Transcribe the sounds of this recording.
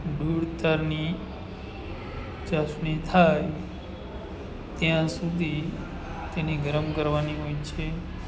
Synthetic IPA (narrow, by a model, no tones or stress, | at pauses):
ɖuɽt̪aɾni | t͡ʃasnit̪ʰaj | t̪jãsud̪ʱi | t̪eniɡəɾəmkəɾʋaniɦojt͡ʃʰe